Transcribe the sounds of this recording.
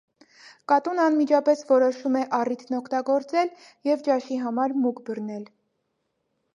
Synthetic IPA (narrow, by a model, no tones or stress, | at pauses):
kɑt̪unɑnmid͡ʒɑpɛsvɔɾɔʃumɛʔɑrit̪ʰnɔkʰt̪ɑɡɔɾt͡sɛl | jɛvt͡ʃɑʃiɦɑmɑɾmukbərnɛl